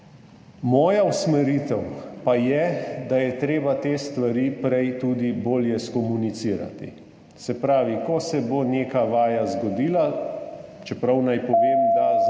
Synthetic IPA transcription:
mɔːjausmɛɾit̪ɛwpajɛd̪ajɛt̪ɾeːbat̪eːst̪ʋaɾiːpɾɛjt̪uːd̪iboːljɛskɔmunit̪siːɾa̰t̪ḭ | sɛpɾaːʋikɔsɛboneːkaʋaːjazɡɔd̪iːla | t͡ʃɛpɾawnajpɔʋeːmd̪a

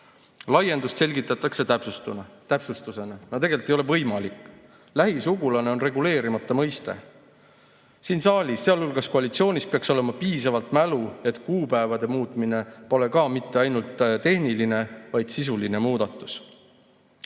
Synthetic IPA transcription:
lɑje̞nd̪ust̪se̞lʲɡit̪ːˑɑt̪ːˑɑkse̞t̪æpsust̪unɑt̪æpsust̪use̞nɑnɑt̪e̞ɡ̥e̞lt̪ejole̞vɤjmɑlikːˑ | læɦisuɡulɑne̞o̞nre̞ɡule̞ːɾimɑt̪ːˑɑmɤjst̪e̞̰ | siːnsɑːlʲisːeɑlulɡ̥ɑskoɑlit̪sio̞ːnʲispeɑkso̞le̞mɑpiːsɑvɑlt̪mælue̞t̪ˑkuːpæevɑd̪e̞muːt̪ˑmine̞po̞le̞kɑːmit̪ːe̞ɑjnult̪ːˑt̪e̞hniline̞vɑjd̪̥sis̬uline̞muːd̪̥ɑt̪ːˑu̥s

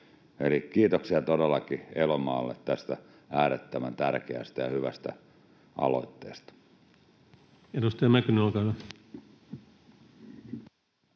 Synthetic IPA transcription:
elikiːt̪oksiɑt̪odelːɑkielomɑːlːḛt̪t̪æst̪æ | æːɾet̪ːæmænt̪ærkeæ̰st̪æjɑhyʋæ̰st̪æ̰ | ʔɑ̰lo̰it̪ːḛːst̪ɑ̥ | edust̪ɑjɑmækynolkɑlːɑ

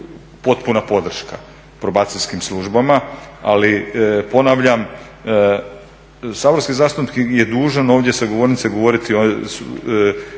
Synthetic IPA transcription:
po̞t̪punapo̞d̪r̩ʃka | pɾobaːt̪siʎʲskimslˠuʒbamaalipo̞naʋʎam | saːboɾskizaːst̪upkjed̪uːʒano̞ːʋd̪ʲjesaɡoʋo̞ɾnit̪seɡo̞ʋo̞ɾit̪ios

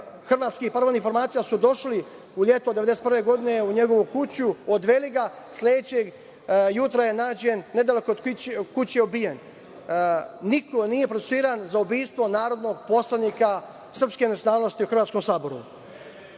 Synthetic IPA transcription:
xr̩ʋaːt̪skipaɾʋonifo̞ɾmaːt̪sijasud̪o̞ʃli | uʎʲe̞t̪od̪eeeset̪prʋe̞ɡo̞d̪ine̞uɲeɡo̞ʋukut͡ɕuod̪ʋe̞liɡa | slʲe̞d̪et͡ɕeɡ | jut̪ɾaje̞naːd͡ʑenːed̪alekod̪kut͡ɕeobijen | iko̞nije̞pɾot̪esuiːɾanzaubiːst̪ʋo̞naːɾo̞d̪no̞ɡ̚po̞slˠanika | sr̩pskenat̪jonaːlˠnost̪iuxrʋat̪ko̞msaːbo̞ɾṵ

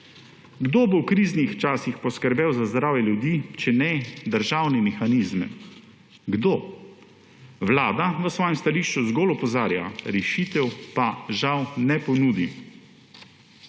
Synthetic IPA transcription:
ɡd̪oːbowkɾiːznixt͡ʃaːsixpɔskəɾbɛwzazd̪ɾaːwjɛljud̪iːt͡ʃɛnɛd̪əɾʒaːwnɛmɛxaniːzmɛ̰ | ɡd̪oː | ʋlaːd̪aʋəsʋɔːjɛmst̪aliːʃt͡ʃuzɡolɔpɔzaːɾja̰ɾɛʃiːt̪ɛwpaʒawnɛpɔnuːd̪i

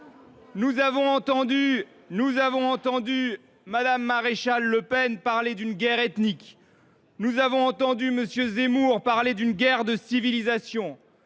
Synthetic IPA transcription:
nuzavɔ̃ɑ̃t̪ɑ̃d̪y | nuzavɔ̃ɑ̃t̪ɑ̃d̪y | mad̪amːaʁeʃalːəpɛnpaʁled̪ynɡʲɛʁɛt̪nik | nuzavɔ̃ɑ̃t̪ɑ̃d̪yməsjøzemuʁpaʁled̪ynɡʲɛʁd̪əsivilizasjɔ̃

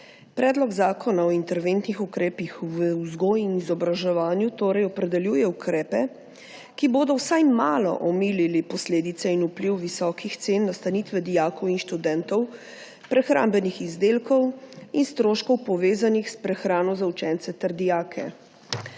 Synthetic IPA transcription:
pɾɛːd̪lɔɡzaːkʰɔnaɔint̪ɛɾʋent̪nixukɾɛːpixʋəuzɡoːjinizɔbɾaʒɛʋaːnjut̪oːɾɛjɔpɾɛd̪ɛljuːjɛukɾɛːpɛ | kiboːd̪ɔwsajmaːlɔ̰ʔɔmiːlilipɔsleːd̪it̪sɛinupliwʋisɔːkixt̪senːast̪aniːt̪ʋɛd̪ijaːkɔwinʃt̪ud̪ɛːnt̪ɔw | pɾɛxɾa̰ːmbɛnixizd̪eːlkɔwinst̪ɾoːʃkɔwpɔʋeːzanixspɾɛxɾaːnɔzawt͡ʃɛːnt̪sɛt̪ɛɾd̪ijaːkʰɛ̰

